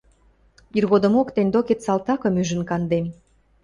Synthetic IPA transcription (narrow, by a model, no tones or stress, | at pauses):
irɣod̪ə̆mokt̪enʲd̪oket̪sɑlt̪ɑkə̆myʒə̆nkɑnd̪em